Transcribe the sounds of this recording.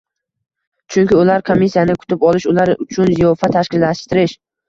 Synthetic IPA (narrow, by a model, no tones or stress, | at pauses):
t͡ʃʰʊŋkʲɪʊlaɾkʰomːisːijanɪkʰʊ̥t̪ʰɪpɒlɪʃʊlaɾʊt͡ʃʰʊnzɪjɒfat̪ʰaʃkʲɪlːaʃt̪ɪɾɪʃ